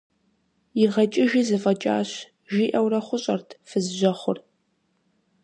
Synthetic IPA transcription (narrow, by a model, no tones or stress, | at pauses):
ɪrʁɐt͡ʃʼɪʒiːzɨfʼɐt͡ʃʼa̰ːɕ | ʒiːʔɐwrɐχʷʊɕʼɐrtʰfɨzʒʷɐχʷʊr